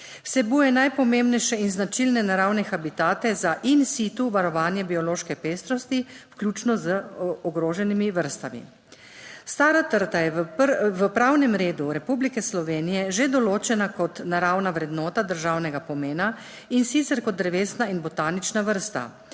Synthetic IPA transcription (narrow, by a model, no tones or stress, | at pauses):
wsɛbujɛnajpɔmembnɛjʃɛinznat͡ʃilnɛnaɾawnɛxabit̪aːt̪ɛzaʔinsit̪uʋaɾɔʋaːnjɛbiɔloːʃkɛpeːst̪ɾɔst̪iwklʲuːt͡ʃnɔzəɔɡɾoːʒɛnimiʋəɾst̪amḭ | st̪aːɾat̪əɾt̪ajɛʋəpɾaːwnɛmɾeːd̪uɾɛpublikɛslɔʋeːnijɛʒed̪ɔloːt͡ʃɛnakɔt̪naɾawnaʋɾɛd̪nɔːt̪ad̪əɾʒawnɛɡapɔmeːna | insit̪sɛɾkɔt̪ːɾɛʋeːst̪nainbɔt̪aːnit͡ʃnaʋəɾst̪a̰